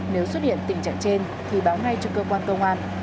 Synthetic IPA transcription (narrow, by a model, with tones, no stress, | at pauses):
ne˨˦wswə˦˥t̚ɗḭ˧˨ənt̪ï˨˩ŋ̟t͡ɕa̰ː˧˨ŋt͡ɕe˧n | t̪ʰi˨˩ɓaː˨˦wna˧jt͡ɕɔ˧kəː˧kwaː˧nkə˧wŋ͡mʔaː˧n